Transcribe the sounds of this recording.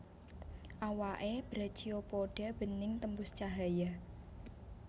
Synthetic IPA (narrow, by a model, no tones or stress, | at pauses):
ʔawaʔeb̥ɾḁt͡ʃiopoɖ̥a̤b̥ənɪŋt̪əmbʊst͡ʃaɦaja